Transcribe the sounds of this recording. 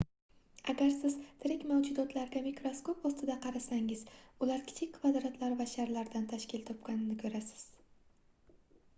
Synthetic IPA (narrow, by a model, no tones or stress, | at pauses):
aɡʲaɾsɪz̥t̪ʰɪɾɪkʲmawd͡ʒʊd̪ɒt̪ʰlaɾɡʲamikɾoskopɒst̪ɪd̪aqʰɑɾasaŋɪz̥ʊlaɾkʲʰɪ̥t͡ʃʰɪkʲkʰːvad̪ɾat̪ʰlaɾvaʃaɾlaɾd̪ant̪ʰaʃkʲɪlt̪ʰɒp̚kʲanɪnɪkʰʲɵɾasɪ̥z̥